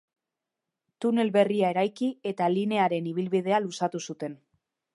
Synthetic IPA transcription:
t̪une̞lβe̞riae̞ɾajkie̞t̪aline̞aɾe̞niβ̞ilβið̞e̞alusat̪usut̪e̞n

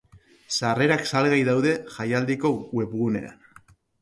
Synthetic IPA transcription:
sare̞ɾaksalɣajðawðe̞ʝajald̪iko̞we̞pɣune̞̰a̰n

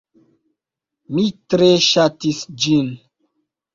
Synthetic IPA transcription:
mitɾeʃatisd͡ʒin

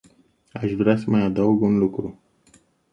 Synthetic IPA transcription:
aʃvɾeasəmajad̪əwɡunlukɾu

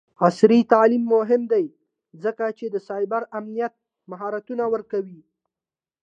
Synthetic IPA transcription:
asɾit̪alimːʊɦɪmd̪aj | zəkat͡ʃed̪əsɑjbaɾamnijat̪̚ | maɦɑɾat̪unawəɾkawi

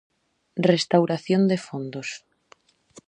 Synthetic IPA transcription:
rest̪awɾaθjond̪efond̪os

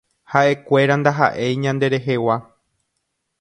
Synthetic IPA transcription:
haʔe̞kʷe̞ɾand̪aɦa̰ʔe̞jɲãnd̪e̞ɾe̞ɦe̞wa

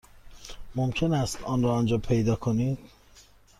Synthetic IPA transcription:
momcʰenæst̪ɒːnɾɒːnd͡ʒɒːpʰe̞jd̪ɒːkʰoniːd̪̥

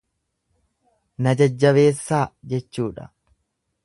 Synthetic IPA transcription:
nɐd͡ʒɐd͡ʒːɐβe̞ːsːaːd͡ʒɛt͡ʃːuːᶑɐ̰

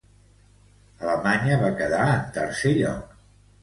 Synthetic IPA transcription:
ələmaɲəβakəðaənt̪əɾseʎɔ̰k̚

